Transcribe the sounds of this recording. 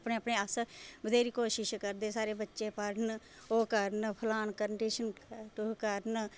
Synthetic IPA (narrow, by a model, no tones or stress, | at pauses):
pɳeːəpɳeːəsbəd̪eːɾiːkoːʃɪʃkəɾd̪eːsaːɾeːbətːʃeːpəɽn | oːkəɾnpʰəlaːnkənɖiːʃənʈʊkəɾn